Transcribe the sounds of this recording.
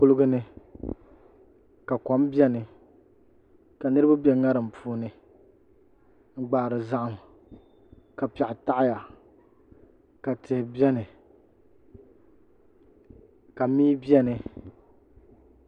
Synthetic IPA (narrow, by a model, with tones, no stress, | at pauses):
kʊ˦lɨ˦ɡɨ˦nɨ˦ | ka˨kɔ˨˦mbɛ˦nɨ˨ | ka˨nɨ˦ɾɨ˦ba˦bɛ˨ŋa˦ɾɨ˨m̩˨pʰuː˦nɨ˨ | ŋ̩˦ɡ͡ba˨ɾɨ˨za˦ʔʊ˨m | ka˨pɛ˨ʔɪ˨ta˦ʔɪ˦ja˨ | ka˨tʰɪ˨hɪ˨bɛ˦nɨ˨ | ka˨miː˦bɛ˦nɨ˨